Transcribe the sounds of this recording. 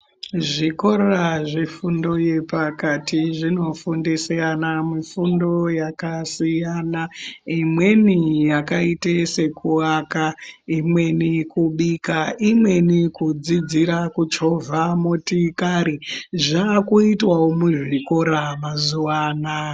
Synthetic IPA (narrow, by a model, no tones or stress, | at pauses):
ʐiko̞ɾaʐifundo̞je̞pakatiʐino̞fundisianamifundo̞jakasijaːnaimwe̞nijakaitese̞kuakaimwe̞nikuɓikaimwe̞nikud͡zid͡ziɾakud͡ʒeɦovʱamotikaɾiʐakuitwawomuʐiko̞ɾamazuwaːna